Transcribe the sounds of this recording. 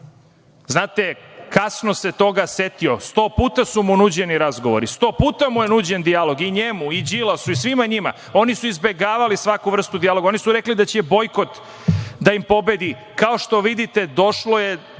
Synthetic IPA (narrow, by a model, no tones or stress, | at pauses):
znaːt̪e̞kasnose̞t̪o̞ɡaset̪io̞st̪o̞ːpuːt̪asumunuːd͡ʑe̞niɾazɡo̞ʋo̞̰ɾist̪o̞ːpuːt̪amujenuːd͡ʑe̞nd̪ijalo̞ɡiɲemuid͡ʑilasuisʋimaɲima̰ | o̞nisuizbe̞ɡaːʋalisʋakuʋr̩st̪ud̪ialo̞ɡao̞nisuɾeklid̪at͡ɕebo̞jko̞t̪ | d̪aimpo̞be̞d̪i | kaoʃt̪o̞ʋid̪it̪ed̪o̞ʃloje